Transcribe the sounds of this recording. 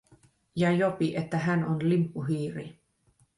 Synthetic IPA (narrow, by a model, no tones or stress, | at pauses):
jɑjopiʔet̪ːæɦænonlimpːuɦiːɾi